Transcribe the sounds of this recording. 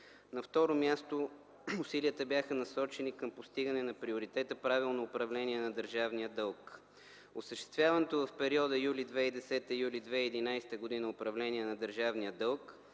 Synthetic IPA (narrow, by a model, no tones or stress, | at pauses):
nɐft̪ɔɾomʲjast̪o | ʊsiliət̪əbjaxənɐsɔt͡ʃɛnikəmpost̪iɡənɛnɐpɾioɾit̪ɛt̪əpɾavilˠnoːpɾɐvlɛnʲiɛnɐd̪əɾʒavniəd̪ɤlˠk | ʊsəʃt̪ɛ̥st̪vʲjavɐnɛt̪ovɐfpɛɾiɔd̪əjulid̪vɛid̪ɛsɛt̪əjulid̪vɛiːd̪inajst̪əɡʊd̪inəʊpɾɐvlɛniɛnɐd̪əɾʒavnijəd̪ɤlˠk